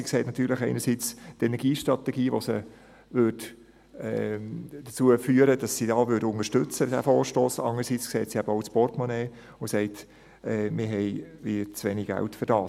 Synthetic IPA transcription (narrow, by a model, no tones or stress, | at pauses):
ikseːtnɑtʰyːləχɛɪnəɾsiːt͡stɛnɛɡ̥iːʃtɾɑt̪ɛɡiːʋosə | ʋʏɾd | ɛd̥ət͡suəfyːəɾəd̥ɑsːidɑːʋʏdʊnəʃtʏt͡səd̥æ̰foːɾʃtoːsɑ̰nəɾsit͡skseːtsiæbəoʊt͡spɔrtmɔneː | ʊsɛɪt | ɛmɪɦɛɪvit͡sʋɛniɡɡæ̰ltfəɾd̥ɑː